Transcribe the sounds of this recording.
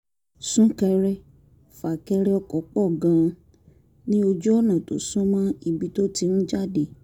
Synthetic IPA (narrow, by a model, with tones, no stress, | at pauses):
sũ˦kɛ˧ɾɛ˦ | fa˨kɛ˧ɾɛ˦ɔ˧kɔ˨˦k͡pɔ˦˨ɡã˧˦˧ | nĩ˦o˧d͡ʒu˦ɔ˦˨nã˨to̰˨sũ˦mã˦i˧bi˨˦to˦ti˧nũ˦d͡ʒa˦˨de˨